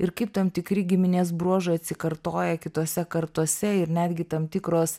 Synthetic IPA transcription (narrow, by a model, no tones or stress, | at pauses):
ɪɾkɐɪp̚t̪ɐmt̪ʲɪkɾʲɪɡʲɪmʲɪnʲeːsbɾuɔʒɐɪɐt̪ʲsʲɪkɐɾt̪oːjɛkʲɪt̪oːsʲɛkɐɾt̪uɔsʲɛɪɾnʲæːd̪ʲɡʲɪt̪ɐmt̪ʲɪkɾoːs